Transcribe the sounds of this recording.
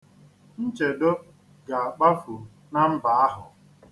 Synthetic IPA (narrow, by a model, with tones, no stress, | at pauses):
n̩˦t͡ʃe˨do˦ | ɡa˨a˨k͡pa˦fu˨ | na˦m̩˦ba˨a˦ɦʊ˨